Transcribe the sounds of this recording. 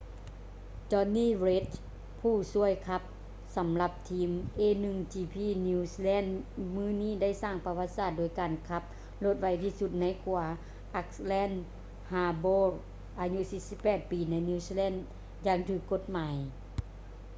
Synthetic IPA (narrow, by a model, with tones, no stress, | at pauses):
t͡ɕɔː˧niː˧˥˨ɾe˦˥t̪̚ | pʰuː˧˩su˧˥˩əjkʰa˧˥p̚ | sa˨˦mla˧p̚t̪ʰiː˧˥mʔeː˧˥˨nɯ˧ŋt͡ɕiː˧pʰiː˧˥˨ni˧slɛː˥˨nmɯː˧˥˨niː˥˨da˥˩jsaː˥˩ŋpa˧wa˧t̪̚saː˧˩t̪̚doː˨˩jkaː˨˩nkʰa˧˥p̚ | lo˧˥t̪̚wa˧jt̪ʰiː˧˨su˧t̪̚na˧˥jkʰu˨˩ɐ | ʔa˧˥k̚slɛː˥˨n | haː˧boː˧˥ | ʔaː˨˩ɲu˧siː˧˥si˧˥pːɛː˧˩t̪̚piː˨˩na˧˥jniː˧siː˧lɛː˧˥˩nd | jaː˧˩ŋt̪ʰɯː˧˩kːo˧˥t̪̚maː˨˦j